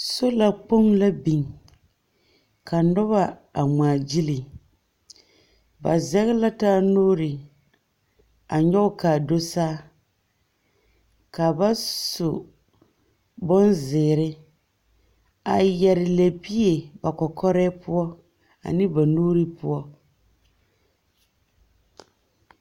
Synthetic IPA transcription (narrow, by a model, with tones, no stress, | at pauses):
so˦la˨k͡po˦ŋla˦bi˨ŋ | ka˨nɔ˦βa˦a˨maː˨d͡ʒi˦li˨ | ba̰˨zɛ˦ɣɪ˦la˦taː˦noː˦ɾɪ˨ | a˨ɲɔ˦ʊ˦kaː˨do˦saː˦ | ka˨ba˦sʊ˨ | bʊ˦nzɪː˨ɾɪ˦ | a˨jɛ˨ɾɪ˨le˨bi˦e˨ba˨kɔ˨kʰɔ˦ɾɛː˦pʊ˦ɔ˦ | a̰˨nɪ˦ba˨noː˦ɾi˦pʊ̰˦ɔ˦